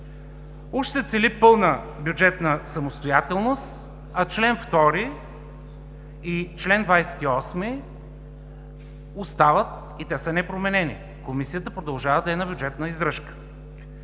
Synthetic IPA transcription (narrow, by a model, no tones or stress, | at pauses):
uʃt̪ɛt̪sɛlipɤlˠnə | bjud͡ʒɛt̪nəsɐmost̪ojat̪ɛlˠnost̪ | ɐt͡ʃlɛnft̪ɔɾi | it͡ʃlɛnd̪vajsɛ̥t̪iɔsmi | ost̪avət̪̚ | it̪ɛsənɛpɾomɛnɛnḭ | komisijət̪əpɾod̪ɐlˠʒavəd̪ɐɛnabʲjʊd͡ʒɛt̪nəizɾəʃkə̥